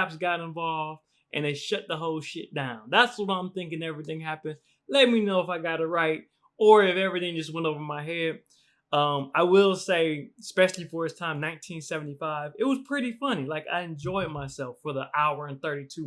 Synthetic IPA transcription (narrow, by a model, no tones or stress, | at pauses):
æpsɡ̥ɑɾɨ̃ɱvɑlˠvd̥ | ʔɨ̃nðeɪʃʌt̪̚ðəɦoʊlˠʃɪt̚d̥ãʊ̃nðætswʌɾãɪ̃mθɪ̃ŋk̬ɪ̃ŋɛvɹiθɪ̃ŋɦæpɨ̃n̥ | lɛt̚minoʊəfaɪɡɑɾɨɹaɪt̚ | ə˞ɪfɛvɹiθɪ̃ŋd͡ʒʌst̚wɛ̃ntoʊvə˞maɪɦɛd | ʌ̃maɪwɪlˠseɪspɛʃl̩ˠifə˞ɨtstʰãɪ̃mnãɪ̃ntʰĩnsɛvn̩tifaɪvɨt̚wʌz̥pʰɹ̥ɪɾifʌnilaɪka̰ɪɨ̃nd͡ʒɔɪd̚maɪsɛlˠfə˞ðiʔaʊə˞ɨ̃nθɜ˞ɾitʰu